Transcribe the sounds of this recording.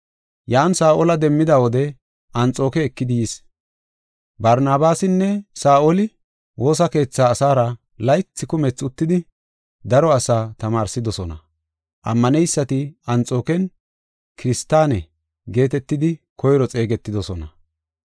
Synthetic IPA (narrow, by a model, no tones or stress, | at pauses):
jaːnsaːʔɔlɐd̪ɛmːɪd̪ɐwɔd̪ɛ | ʔɐnt͡sʼo̞ːkɛːkːɪd̪ɪjɪs | bɐɾnaːbaːsɪnːɛsaːʔɔlɪ | wo̞ːs̬ɐke̞ːt͡sːaːsaːɾɐ | lɐjt͡sːɪkʊmɛt͡sːʊt̪ːɪd̪ɪ | d̪ɐɾɔɐsaːt̪ɐmaːɾsɪd̪ɔsɔnɐ̰ | ʔɐ̰mːɐnɛjsːɐt̪ɪɐnt͡sʼo̞ːkɛn | kɪɾɪst̪ːaːnɛ | ɡe̞ːt̪ɛt̪ːɪd̪ɪkʰɔjɾɔt͡sʼe̞ːɡɛt̪ːɪd̪ɔsɔnɐ̰